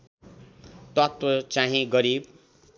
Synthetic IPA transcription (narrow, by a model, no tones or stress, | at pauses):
t̪ʌt̪wʌt͡saɦĩɡʌɾib̚